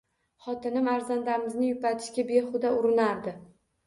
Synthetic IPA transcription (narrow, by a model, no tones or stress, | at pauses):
χɒt̪ɪnɪmaɾzand̪aɾmɪznɪjʊpat̪ʰɪ̥ʃkʲabeχʊd̪aʊɾɪnaɾd̪ɪ